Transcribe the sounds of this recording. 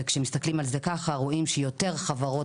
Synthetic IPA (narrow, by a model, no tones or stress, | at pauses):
kʃemist̪aklimalze̞kaχaʁoimʃejo̞t̪e̞ʁχavaʁo̞